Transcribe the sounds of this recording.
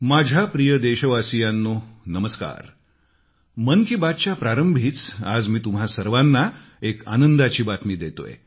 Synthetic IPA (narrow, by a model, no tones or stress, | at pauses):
mad͡ʑʱjapɾijəd̪eɕəʋasijanːonəməska̰ɾ | mənkiːbat̪̚t͡ɕjapɾaɾəmbʱiːt͡sad͡zmiːt̪umɦasəɾʋanːa | eka̰nənd̪at͡ɕiːbat̪miːd̪et̪o̰jḛ